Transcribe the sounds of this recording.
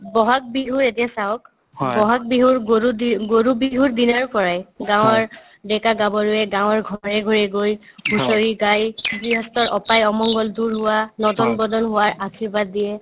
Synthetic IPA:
bɔɦak̚biɦuɹetijasaɦɔk | bɔɦak̚biɦuɹɡoɹudiɡoɹubiɦuɹd̪inaɹpɔɹajɡãw̃ɔɹ | ɖɛkaɡabɔɹuɛɡãw̃ɔɹɡʱɔɹɛɡʱɔɹɛɡojbusoɹiɡajbiɦɔst̪ɔɹʔɔpajɔmɔŋɡɔld̪uɹɦʊwanɔd̪ɔnbɔd̪ɔnɦʊwaɹʔakʰiɹbad̪ːijɛ

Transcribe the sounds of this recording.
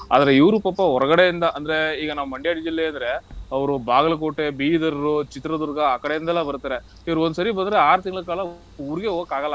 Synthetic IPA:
a̰ːd̪ɐɾeiʋɾupɐpːɐɦɔɾɐɡɐɽejind̪ɐʔɐnd̪ɐɾe̞iːɡɐnaːʋɐmɐɳɖijaːɽid͡ʒilːeːɐnd̪ɐɾe̞ɐʋɐɾubaːɡɐlɐk̬oːʈːebiːid̪ɐɾɾut͡ʃit̪ɾɐd̪uɾɐɡɐaːkɐɽejind̪ɛlːaːbɐɾut̪aːɾe | iʋɐɾuond̪usɐɾibɐnd̪ɐɾeaːɾut̪iŋɡɭɐkaːɭɐ | uʋɾiɡe̞oːkaːɡɐlːɐ

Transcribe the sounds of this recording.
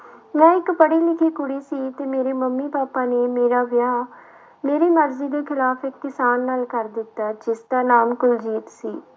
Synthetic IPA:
mɛ̃ːɪkpəɽiːlɪkʰiːkʊɽiːsiːt̪eːmeːɾeːməmːiːpaːpaːneːmeːɾaːʋɪjaː | meːɾeːməɾziːd̪eːkʰɪlaːpʰɪkːɪsaːnːaːlkəɾd̪ɪt̪ːaːd͡ʒɪsd̪aːnaːmkʊld͡ʒiːt̪siː

